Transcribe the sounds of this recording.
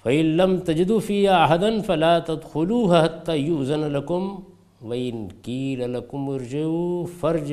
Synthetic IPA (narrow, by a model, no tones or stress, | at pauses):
fɐʔɪnlɐmt̪ɐd͡ʒɪd̪uːfiːhaːʔaɦad̪ɐnfɐlaːt̪ɐd̪xʊluːɦahat̪ːaːjuʔzɐnalɐkʊm | wɐʔɪnkiːlalɐkʊmɪɾd͡ʒaufɐɾd͡ʒ